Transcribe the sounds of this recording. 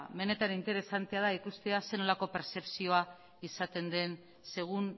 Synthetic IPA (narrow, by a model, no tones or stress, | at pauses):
me̞ne̞t̪anint̪e̞ɾe̞sant̪e̞aðaikust̪e̞ase̞no̞lako̞pe̞ɾse̞psio̞a | isat̪e̞nd̪e̞n | se̞ɣ̞un